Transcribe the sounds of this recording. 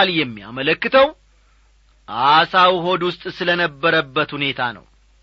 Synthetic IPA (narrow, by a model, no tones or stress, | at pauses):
ljɛmːija̰mələkːɨt̪ʰəw | ʔasawɦo̞d̪wʊst̪ʼsɨlənəbːəɾəbːət̪hune̞t̪ʰanə̰w